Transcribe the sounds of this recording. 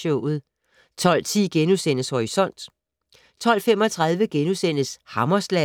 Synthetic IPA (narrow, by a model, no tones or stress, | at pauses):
ɔʊ̰ð̩ˠ | t͡sʰɒ̽l̰t͡sʰḭːɡ̥enusen̰əshoisɒ̽n̰d̥ | t͡sʰɒ̽l̰femɒ̽t͡sʰʁɑ̈ðˠʋəɡ̥enusen̰əshɑ̈mɐslæ